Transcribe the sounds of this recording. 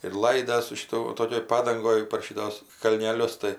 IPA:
ɪr ˈlˠɐɪdɐs sʊ ʃʲɪˈtʊ ˈtoːkʲoːj ˈpɑːdɐŋɡoːj pɐr ˈʃʲɪtoːs kɐlʲnʲɛˈlʲʊs tɐɪ

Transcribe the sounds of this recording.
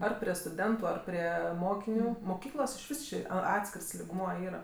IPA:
ˈɐr pʲrʲiɛ stʊˈdʲɛntʊ ˈɐr pʲrʲiɛ ˈmoːkʲɪnʲʊ moːˈkʲiːklˠoːs ɪʃʲˈʋʲɪs ˈt͡ʃʲɪ ɐ ˈɑːtʲsʲkʲɪrs lʲɪɡˈmuɔ ˈiːrɐ

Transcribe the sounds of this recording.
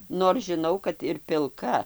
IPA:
noːr ʒʲɪˈnɐʊ kɐt ɪr pʲɪlˠˈkɐ

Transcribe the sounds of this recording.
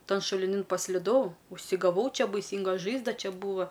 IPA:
ˈtɐn ʃʊlʲɪˈnʲɪn pɐsʲlʲɪˈdɐʊ ʊʃʲsʲɪɡɐˈʋɐʊ ˈt͡ʃʲɛ bɐɪˈsʲiːŋɡɐ ˈʒɐɪzdɐ ˈt͡ʃʲɛ ˈbuːʋɐ

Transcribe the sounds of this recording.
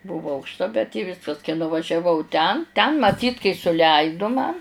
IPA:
ˈbuːʋoː ɐʊkʃˈtɐ bʲɛt ɪ ˈʋʲɪskɐs kɐɪ nʊʋɐʒʲɛˈʋɐʊ ˈtʲɛn tʲɛn mɐˈtʲiːt kɐɪ sʊˈlʲɛɪdʊ mɐn

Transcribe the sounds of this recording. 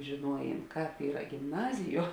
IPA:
ʒʲeːˈnuɔjeːn ˈkɑːp ˈiːrɐ ɡʲɪmˈnɑːzʲɪˌjuɔ

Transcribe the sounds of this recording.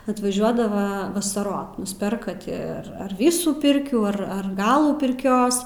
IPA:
ɐtʋɐˈʒʲuɔdɐʋɐ ʋɐsɐˈroːt nʊsʲˈpʲɛrkɐ ˈtʲɪ ˈɐr ɐr ˈʋʲiːsuː ˈpʲɪrʲkʲuː ˈɐr ɐr ˈɡɑːlˠuː pʲɪrʲˈkʲoːs

